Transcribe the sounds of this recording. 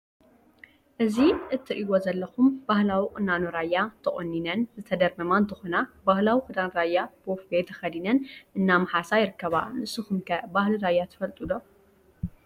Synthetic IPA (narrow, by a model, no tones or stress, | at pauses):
ʔɨziʔɨt̪ʰːiʔiwozɐlːɐxumbahlawikʼɨnːanoɾajːat̪ʰɐχʼonːinɐnzɨt̪ʰɐd̪ɐɾmɐmant̪ʰɨxonabahlawixɨd̪anɾajːabofbet̪ʰɐxɐd̪inɐnʔɨnːamɐħasajɪɾɨkːɐβa̰mɨsɨxumkʰɐbahliɾajːat̪ʰɨ̥fɐlt̪ʼud̪o